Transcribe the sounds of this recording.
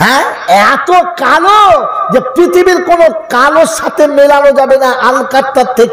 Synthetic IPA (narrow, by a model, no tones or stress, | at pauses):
ɦɛ̃ɛt̪okalod͡ʑepɾit̪ʰibiɾkonokaloɾʃat̪ʰemelanod͡ʒabenaʔalkaɾt̪ːat̪e